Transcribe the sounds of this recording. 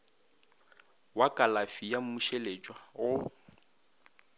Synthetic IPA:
wakʼalafijam̩muʃelet͡ʃʼwaɣʊ

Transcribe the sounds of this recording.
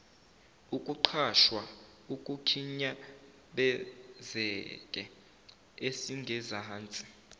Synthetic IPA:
ukʼuǃʰaʃwa | ukʼukʰiɲa | ɓɛzɛkʼɛ | esiŋɡʱɛzaːnt͡sʼi̥

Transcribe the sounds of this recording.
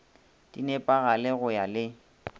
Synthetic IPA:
d̥inɛpʼaɣalɪɣʊjalɪ

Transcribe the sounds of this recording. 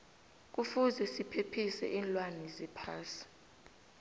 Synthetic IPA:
k̬ʼufuzɛsipʰepʰisɛ̰ʔiːnlwanɛzɛpʰaːsi̥

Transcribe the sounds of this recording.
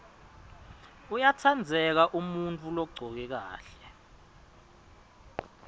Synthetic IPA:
ujatʰand͡zʱɛk̬aʔumunt͡fʼulɔɡ͡ǀʱɔk̬ɛk̬a̰ːɬɛ

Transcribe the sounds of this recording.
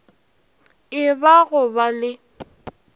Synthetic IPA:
ɪbaɣʊbalɪ

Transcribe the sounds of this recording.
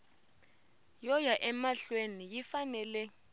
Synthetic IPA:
jɔjaʔɛmaɬwenijifanɛlɛ

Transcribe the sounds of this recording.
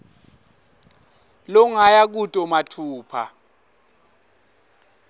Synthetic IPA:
lɔŋajak̬utʼɔmatʰuːpʰa̰

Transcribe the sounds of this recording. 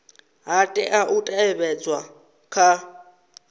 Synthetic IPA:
ɦatʼɛʔaʔutʼaɛβɛt͡sʼwa | kʰa

